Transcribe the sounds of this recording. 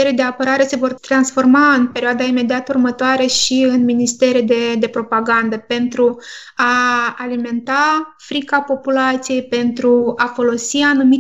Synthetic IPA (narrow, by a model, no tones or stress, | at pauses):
eɾed̪e̞apəɾaɾe̞se̞vo̞rt̪ɾansfo̞rmaɨnpe̞ɾioad̪aime̞d̪iat̪urmət̪oaɾeʃiɨnminist̪e̞ɾed̪e̞d̪e̞pɾo̞paɡand̪əpe̞nt̪ɾu | aːlime̞nt̪afɾikapo̞pulat̪sije̞jpe̞nt̪ɾuafo̞lo̞sianumi